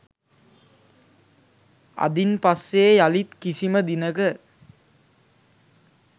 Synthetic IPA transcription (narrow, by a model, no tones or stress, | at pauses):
a̰d̪inpasːeːjalit̪kisiməd̪inəkə